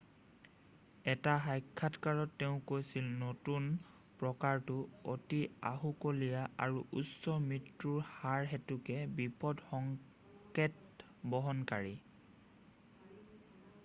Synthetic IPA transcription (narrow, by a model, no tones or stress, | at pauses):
ɛtaɦajkʰːatkaɹɔtːeʊ̃kojsilnotun | pɹɔkaɹtʊotia̰ɦukolijaʔa̰ɹuʔusɔmɹitɹuɹhaɹɦɛtukɛbipɔdxɔŋ | ket | bɔɦɔnkaɹi